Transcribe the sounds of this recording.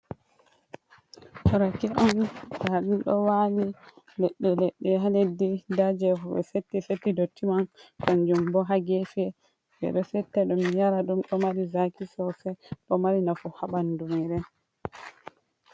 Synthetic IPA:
hɔɾakɛʔɔntaɗumɗɔ̰wani | lɛɗːɛlɛɗːɛɦaledːidad͡ʒɛɦɔɓɛ̰setːisetːidotːimankand͡ʒumbɔɦaɡɛfɛ | bɛ̰ɗɔsɛtːɛɗumjaɾaɗumɗɔmaɾizakisɔsɛɗɔmaɾinafuhaɓandumiɾɛ

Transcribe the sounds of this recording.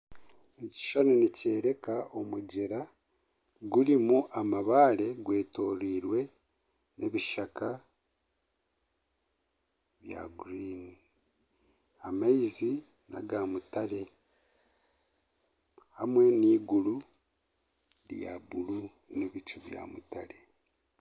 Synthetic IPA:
eci̥ʃanonice̞ːɾe̞kaomuɟeɾa | ɡuɾimuʔamaβaːle̞ɡwe̞ːto̞ːɾiːɾwe̞ | neβiʃaka | βja̰ɡuɾiːni | amaizi | na̰ɡaːmutale̞ | hamwe̞niːɡulu | ɾja̰βulu | neβit͡ʃuβja̰ːmutale̞

